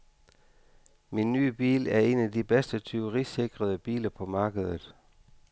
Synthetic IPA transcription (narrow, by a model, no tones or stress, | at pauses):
minːy̰ːb̥ḭːlæɐe̝næd̥ib̥esd̥ət͡sʰyʊʁise̝ɡ̥ʁɐð̞ˠəb̥ḭːlɐpʰɒ̽mɑ̈ːɡ̥əð̞ˠəð̩ˠ